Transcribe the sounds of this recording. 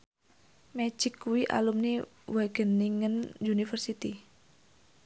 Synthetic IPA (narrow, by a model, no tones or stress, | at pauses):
mɛt͡ʃikːuwiʔa̰lumni | waɡ̥əniŋənd͡ʒunifərsit̪i